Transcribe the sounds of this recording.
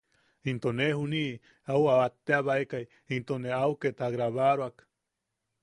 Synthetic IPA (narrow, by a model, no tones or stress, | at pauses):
int̪onehuni | awaβat̪ːeaβaekaj | int̪oneauket̪aɣɾaβaɾwak